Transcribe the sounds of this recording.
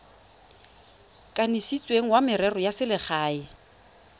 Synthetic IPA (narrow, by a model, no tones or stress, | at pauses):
kʼanisit͡sʼweŋ̩wamɪɾɛrɔjasɪlɪχaːɪ